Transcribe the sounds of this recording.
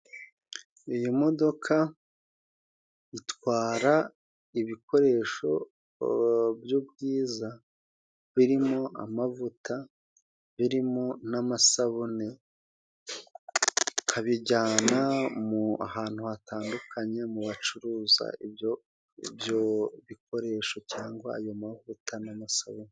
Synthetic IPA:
ijimo̞do̞kʰa | itwaːɾa | iβiko̞ɾe̞ːʃo̞̰ | bjubɡiːza | βiɾimo̞ʔa̰mavuta | βiɾimo̞namasaβone | kʰaβiɟaːnamua̰haːn̥huhataːndukʰaɲe̞muβat͡ʃuɾuːza̰ibjo | bjoβik̚o̞ɾe̞ːʃocaːŋɡwaːjo̞mavutʰanamasaβone

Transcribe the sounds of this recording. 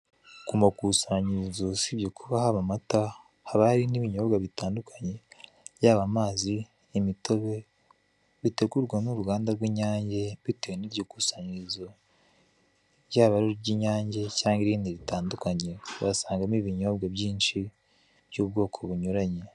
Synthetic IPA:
kumakusaɲizosibjokʰuβahaβamata | haβaɾiniβiɲo̞ːbɡaβitaːndukʰaɲe̞ | jaːβamaːziː | mito̞βe̞ | βite̞ɡuɾɡwanuɾuɡaːndaɾɡwiːɲaːɲɟe̞βiteweniɾɟokusaɲizo̞ | ɟaːβaɾoɾɟiɲaːɲɟe̞caːŋɡiɾiːndiβitaːndukaɲe̞βasaːŋɡamiβiɲo̞bɡabɟiːnʃi | bjuːbɡo̞ːkʰo̞βuɲuɾaɲe̞

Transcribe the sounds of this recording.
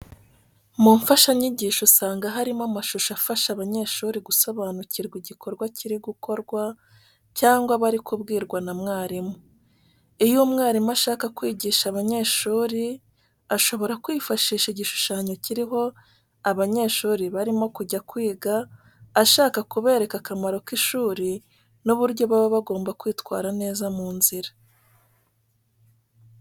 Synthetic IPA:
muɱfaʃaɲiɟiːʃusaːŋɡaɦaɾimamaʃuʃafaʃaβaɲe̞ːʃuːɾiɡuso̞βaːnuciɾɡwiɟikʰo̞ɾɡwaciɾiɡukʰo̞ɾɡwa | caːŋɡwaβaɾikubɡiːɾɡwanamŋaːɾimu | ijumŋaːɾimuaʃaːkakwiːɟiːʃaβaɲe̞ːʃuːɾi | aʃo̞βo̞ɾakwiːfaʃiːʃiɟiʃu̥ʃaːɲo̞ciɾiɦo̞ | aβaɲe̞ːʃuːɾiβaɾimo̞kuɟakwiːɡaː | ʃaːkakuβe̞ːɾe̞kakamaɾo̞kiʃuːɾi | nuβuɾɟo̞βaβoβaɡo̞ːmbakwiːtwaːɾane̞ːzamuːnziɾḁ

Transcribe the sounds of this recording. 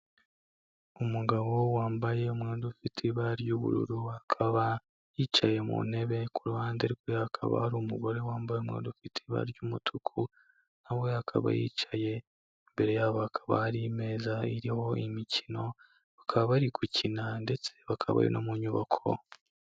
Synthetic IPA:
umuɡaβo̞waːmbaje̞umŋeːndufitʰiβaɾjuβṵɾṵɾuhakʰaβa | jit͡ʃaje̞mṵn̥e̞βe̞kuɾuhaːndeɾɡwehakʰa̰βa̰haɾumuɡo̞ɾe̞waːmbajeumŋḛːndufitʰiβa̰ɾɟumutʰukʰu | nawehakʰa̰βa̰jḭːt͡ʃaje̞ | imbe̞ɾe̞jaβahakʰaβa̰haɾime̞zaiɾiho̞imicino̞ | βakʰaβaβaɾiɡucʰinande̞t͡se̞̥βakʰaβa̰jo̰nʔo̰muɲuβa̰kʰo̞̰

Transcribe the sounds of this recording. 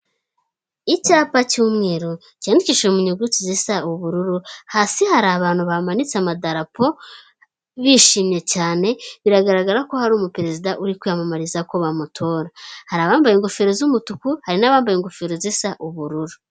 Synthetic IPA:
icaːpacuːmŋeːɾo | candiciːʃemuɲuɡut͡sizisauβuɾuɾuhasihaɾaβaːn̥huβamanit͡samadaɾapo̞ | βiʃiːmɲe̞caːne̞βiɾaɡaɾaɡaɾako̞haɾuːmupeɾe̞zidaʔuɾikujamamaɾizako̞βamutʰo̞ːɾahaɾaβaːmbajeŋɡofeɾozumutukuhaɾinaβaːmbajeŋɡofeɾozisaʔuβuɾuɾu

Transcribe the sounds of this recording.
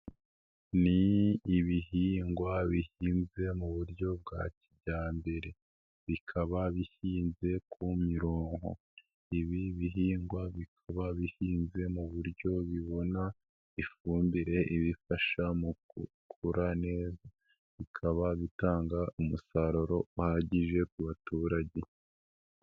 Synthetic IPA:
niːβiɦiːŋɡwaβihiːnze̞muβuɾɟo̞b̚ɡa̰cibɟaːmbe̞ɾe̞ | βikʰaβaβihiːnze̞kʰumiɾoːŋho̰ | iβiβiɦiːŋɡwaβikʰaβaβihiːnze̞muβuɾjo̞βiβo̞na | ifuːmbiɾe̞ʔiβifaʃamu | kʰuɾane̞ːza | βikʰaβaβitaːŋɡaumusaɾoɾo̞uhaɟiʒe̞kuβatuːɾaɟe̞

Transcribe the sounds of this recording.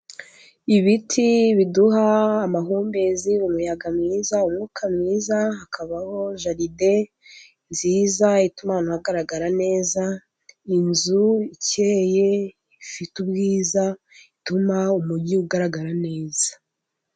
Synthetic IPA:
iβitʰiβiduɦaːmaɦuːmbe̞ziumujaɡamŋiːzaumŋukʰamŋiːzaɦakʰaβaho̞ʒaɾide̞ | nziːzaitumanuhaɡaɾaɡaɾane̞ːza | inzuiceje̞ | ifitubɡiːza | itumaumuɟiuɡaɾaɡaɾane̞ːz̥ḁ

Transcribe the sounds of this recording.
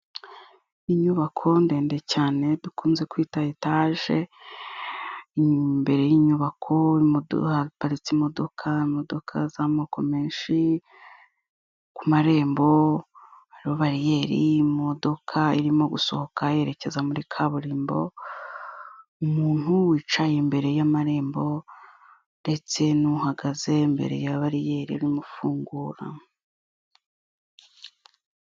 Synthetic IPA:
iɲuβakʰo̞nde̞ːndecaːne̞βikʰuːnze̞kwiːtaitaːʒe̞ | imbe̞ɾe̞jiːɲuβakʰo̞imo̰hapaɾit͡simo̞do̞kʰaimo̞do̞kʰazamokʰo̞me̞ːnʃi | kumaɾe̞ːmbo̞ | haɾiβo̞βaɾije̞ːɾḭmo̞do̞kʰaiɾimo̞ɡuso̞̰ho̞kʰaje̞ɾe̞ce̞zamuɾikʰaβuɾiːmbo̞̰ | umuːn̥uwiːt͡ʃajembe̞ɾe̞jamaɾe̞ːmbo̞ | nde̞t͡se̞nuhaɡaze̞mbe̞̰ɾe̞̰jaβaɾije̞ːɾiaɾimufuːŋɡuːɾa̰

